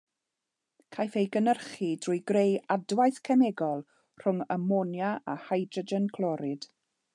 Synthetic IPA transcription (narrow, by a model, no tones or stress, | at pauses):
kʰajθejɡənərχidrʊjɡrejadwajθkʰɛnɛɡɔlˠ | r̥ʊŋəmɔnjaa̰hajdəd͡ʒənkʰlˠɔɾɪd̥